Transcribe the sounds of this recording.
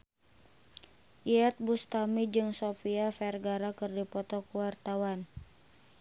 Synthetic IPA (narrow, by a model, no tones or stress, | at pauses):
ʔiɛt̪̚bust̪amid͡ʒɨŋsopiafɛrɡaɾakɨrdipɔt̪ɔkuwart̪awan